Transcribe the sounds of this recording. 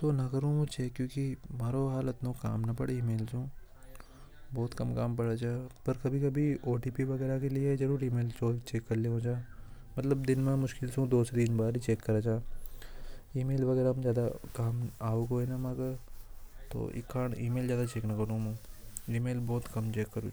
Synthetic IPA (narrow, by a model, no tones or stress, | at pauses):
t̪oːnɐkɐɾũːmũt͡ʃeːkːjõːkimaːɾoɦaːlɐt̪nõka̰ːmnɐpɐɽiːmeːlsũː | bɔːt̪kɐmkaːmpɐɽat͡ʃaːpɐɾkɐbʱikɐbʱioːʈiːpiʋɐɡɛːɾakelɪezɐɾuːɾiːmeːlsoːlt͡ʃeːkːɐɾleɦõːd͡ʒaː | mɐt̪ləbd̪ɪnmẽmʊʃkɪlsũd̪oːsed̪iːnbaːɾit͡ʃeːkːɐɾaːt͡ʃaː | iːmeːlʋɐɣɛːɾazjaːd̪akaːmaːoɡɦoːenamɐɡə | t̪o̰ːʔɪ̰kːaːnḭːmeːlzjaːd̪at͡ʃeːknɐkɐɽũːmũːiːmeːlbɔːt̪kɐmt͡ʃeːkːɐɾṵː